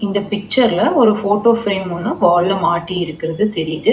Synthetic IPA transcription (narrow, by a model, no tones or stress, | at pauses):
ɪnd̪ɐpɪk̚t͡ʃːɐɾlɐɔɾɯfoːʈoːfɾeːmɔnːɯʋaːlːɐmaːʈːiɪɾɯkːɪɾɐðɯt̪ɛɾɪjɐðɯ